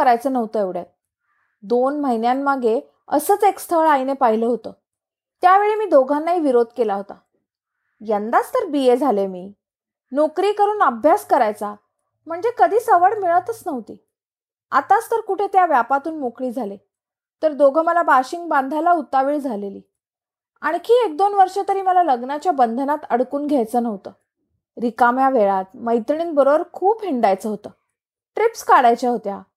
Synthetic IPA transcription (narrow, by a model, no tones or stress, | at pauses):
əɾajt͡səːnəʋt̪əeʋɽja̰t̪̚ | d̪onməɦinjamːaɡe | ə̰səːt͡sekst̪ʰəɭajnepaɦiləːɦot̪əː | t̪jaʋeɭimiːd̪oɡʱanːaɦiːʋiɾod̪̚ʱkelaɦot̪a̰ | jənd̪at͡st̪əɾbijed͡zʱalemiː | nokɾiːkəɾuːnəbʱjaskəɾajt͡sa | m̤əɳd͡zekəd̪ʱiːsəʋəɽmiɭət̪ət͡snəʋt̪ḭː | at̪at͡st̪əɾkuʈʰet̪jaʋjapat̪uːnmokɽiːd͡zʱale | t̪əɾd̪oɡʱəməlabaɕiŋɡ̚bãnd̪ʱajlaut̪ːaʋiːɭd͡zʱaleliː | aɽ̃ikʰiːek̚d̪onʋəɾʂət̪əɾiːməlaləɡnat͡ɕjabənd̪ʱənat̪əɽkuːnɡʱjajt͡səːnəʋt̪əː | ɾikamjaʋeɭat̪məjt̪ɳiːnbəɾobəɾkʰuːpɦiɳɖajt͡səɦot̪əː | ʈɾipskaɽajt͡ɕaɦot̪ja